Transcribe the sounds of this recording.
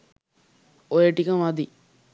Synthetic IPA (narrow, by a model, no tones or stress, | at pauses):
ojəʈikəmʋad̪i